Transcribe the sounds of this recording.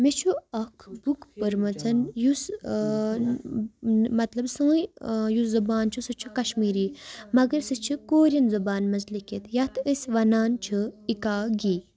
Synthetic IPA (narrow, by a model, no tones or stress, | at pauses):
mit͡ʃʰuɐkʰbukpəɾmɐt͡sʰɐnjus | mɐt̪lɐbsə̃ːjjuszubaːnt͡ʃʰusɨt͡ʃʰukɐʃmiːɾiːmɐɡəɾsɨt͡ʃʰikoːɾʲɐnzɐbaːnmɐnzliket̪jɐt̪ʰəsʲʋɐnaːnt͡ʃʰɨikaːɡiː